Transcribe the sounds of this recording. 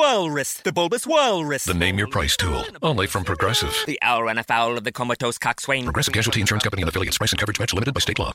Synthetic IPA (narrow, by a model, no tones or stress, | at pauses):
wɜlˠɹɪsðəbʊlˠbəswɜlˠɹɪsðɨnẽɪ̃mjə˞pʰɹ̥aɪstʰṵlˠõʊ̃nlifɹʌ̃mpʰɹ̥ɨɡɹɛsɪ̰v̥ðiʔa̰ʊəɹə̃nəfaʊlˠʌvðəkʰɔmətʰoʊskʰakswẽɪ̃nʰɹəɡɹɛsɨv̥kʰæʒl̩ˠtʰiɨ̃nʃʊɹ̃nskʰʌ̃mpəniɨ̃nəfɪlˠiɨtspɹaɪsn̩kʌvə˞ɨd͡ʒmæt͡ʃlɪmɪɾɨd̚baɪsteɪʔlɔ̰